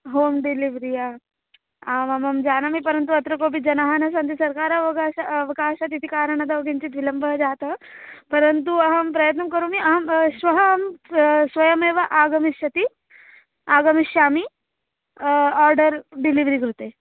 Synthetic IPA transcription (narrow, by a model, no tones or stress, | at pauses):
ɦoːmɖiliʋɾija | amamɐmd͡ʑaːnamipəɾənt̪̬uɐt̪ɾɐkoːp̬id͡ʑɐnaɦanɐsant̪isɐɾkaːɾɐʋɐɡaaːʋɐkaːʃat̪it̪ʰikaːɾəɳad̪aʋɐɡiɲt͡ɕiːt̪ʋilɐmbʱəɦd͡ʒaːt̪əpɐɾənt̪uɐɦəmpɾɐjət̪̬nɐkəɾuːmiɐɦɐmsʋɐɦəmsʋɐjɐmeːʋaʔaːɡəmiɕɐt̪i | aːɡəmiɕjami | aɾɖəɾɖiliʋɾikɾut̪e